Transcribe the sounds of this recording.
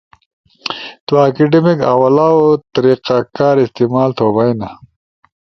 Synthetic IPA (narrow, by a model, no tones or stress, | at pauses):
t̪uaːkeɖemika̰wɐlaːwot̪ɐɾiːqakaːɾist̪imaːlt̪ʰoːbɐjna